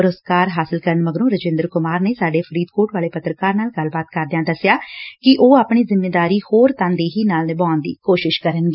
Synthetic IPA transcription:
ʊɾəskaːɾɦaːsɪlkəɾənməɡɾõːɾəd͡ʒẽːnd̪əɾkʊmaːɾneːsaːɖeːpʰəɾiːd̪kʰoːʈʋaːleːpət̪ɾəkaːɾnaːlɡəlbaːt̪kəɾd̪ejãːd̪əsːɪjaːkɪʔoːaːpɳiːzɪmeːd̪aːɾiːhoːɾt̪ãːnd̪eːɦiːnaːlnebãːnd̪ḭːkoːʃɪʃkəɾənɡeː

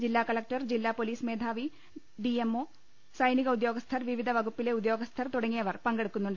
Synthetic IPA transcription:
d͡ʑilːaːkɐlɐk̚ʈɐrd͡ʑilːaːpo̞liːsmeːd̪ʱaːʋi | ɖiemːo̞ː | sɐjniɣɐud̪jo̞ːɡɐst̪ʰɐrʋiʋid̪ʱɐʋɐɡupːile̞ud̪jo̞ːɡɐst̪ʰɐrt̪uɽɐŋːijɐʋɐrpɐŋɡeɽukːunːuɳɖ

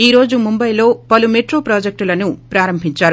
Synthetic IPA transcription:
iːɾo̞ːd͡ʒumumbɐjlo̞ːpɐlumeʈɾo̞ːpɾaːd͡ʒek̚ʈulɐnupɾaːɾɐmbʱiɲt͡ʃaːɾu

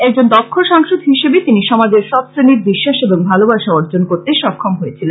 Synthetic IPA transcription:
ɛk̚d͡ʑond̪ɔkʰːolʃaŋʃod̪ʱɦiʃebet̪iniʃɔmad͡ʑeɾʃɔt̪sɾeniɾbiʃːaʃeboŋbʱalobaʃaoɾd͡ʑonkoɾt̪eʃɔkʰːɔmɦojet͡ɕʰilen

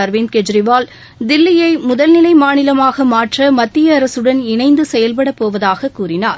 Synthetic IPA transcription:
ɐɾʋinkɛd͡ʒɾɪʋaːl | d̪ɪlːɪjɐɪmʊðɐlnɪlɐɪmaːnɪlɐmaːɣɐmaːʈrɐmɐt̪ːɪjɐːɾɐsɯɽɐnɪnɐɪnd̪ɯsɛjɐlp̬ɐɽɐpːoːʋɐðaːɣɐkːuːɾɪnaːɾ

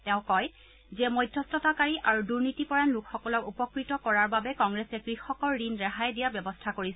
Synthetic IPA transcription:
tɛ̃ʊ̃kɔj | zɛmɔjdʱjɔstɔtakaɹiʔaɹuduɹnitipɔɹanlukʰxɔkɔlɔkupɔkɹitɔkɔɹaɹbabɛkɔŋɡɹɛsɛkɹixɔkɔɹːinɹaɦajdijabjɔbɔstʰakoɹis

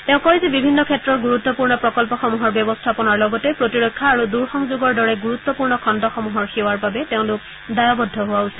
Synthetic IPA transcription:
teʊ̃kɔɹizɛbibʱinːɔkʰɛtːɹɔɹɡuɹut̪ːɔpuɹnɔpɹɔkɔlpɔxɔmuɦɔɹbjɔbɔstʰapɔnaɹlɔɡɔtɛpɹotiɹɔkʰːaːɹuduɹxɔŋzuɡɔɹdɔɹɛɡuɹut̪ːɔpuɹnɔkʰɔndɔxɔmuɦɔɹxewaɹbabɛteʊ̃lʊk | dajɔbɔdʱːɔɦʊwaosi̥

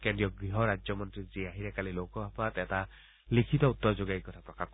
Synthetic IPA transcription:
kendɹijɔɡɹiɦɔɾad͡ʒjɔmɔntɹiziaɦiɾɛkalilowkɔbʱapatɛta | likʰitɔutːɔɹzoɡajkɔtʰapɹɔkak

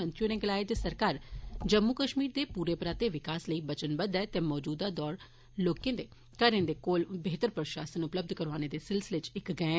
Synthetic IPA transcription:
ənt̪ɾjuːnẽːɡəlaːɪd̪eːsəɾkaːɾd͡ʒəmːukəʃmiːɾd̪eːpuːɾeːpɾaːt̪eːʋɪkaːsləiːbət͡ʃənbəd̪ɛːt̪eːmɔːd͡ʒuːd̪aːd̪ɔːɾ | loːkẽːd̪eː | kəɾẽːd̪eːkoːlbeːt̪əɾpɾəʃaːsənʊpləb̚d̪ʱkəɾʋaːneːd̪eːsɪlsɪleːt͡ʃɪkɡɛ̃ː

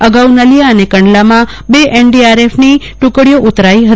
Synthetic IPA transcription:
əɡaunəlijaənekəɳɖlamã | beʔenɖiaɾefni | ʈʊ̃kɽijoʔʊt̪ɾaiɦə

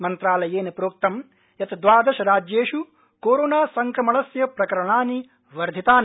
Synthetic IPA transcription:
mɐnt̪ɾaːlɐjeːnɐpɾoːk̚t̪ɐm | jɐt̪d̪ʋaːd̪ɐʃɐɾaːd͡ʒjeːʃu | koːɾoːnaːsɐŋkɐmɐɭɐsjɐpɾɐkɐɾɐɳaːni | ʋɐɾd̪ʱit̪aːnɐ

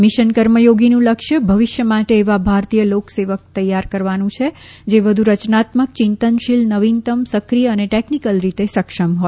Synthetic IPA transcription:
miʃənkəɾməjoɡinũləkʃjəbʱəʋiʃjəmaʈeːʋabʱaɾt̪ijəlokseʋək̚t̪əjːaɾkəɾʋanũt͡ʃʰe | d͡ʒeʋəd̪ʱuɾət͡ʃnat̪mək̚t͡ʃɪnt̪ənʃilnəʋint̪əmsəkɾijəːneʈeknikəlɾit̪esəkʃəmɦoj

